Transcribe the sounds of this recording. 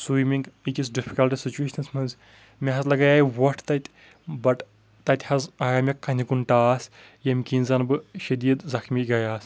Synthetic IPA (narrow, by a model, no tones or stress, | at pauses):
sujmʲiŋɡikizɖifʰʲi̥kɐlʈisit͡ʃuweːʃɐnsmɐnz | mʲeɦɐzlɐɡɐjaːjʋɐʈʰt̪ɐt̪ʲ | bɐʈ | t̪ɐt̪ʲhɐzaːɾaːmʲjɐkːɐnʲikuɳʈaːsʲ | jɐmʲkʲinzɐnbɨʃɐd̪ʲiːd̪zɐxmʲiːɡɐjaːsʲ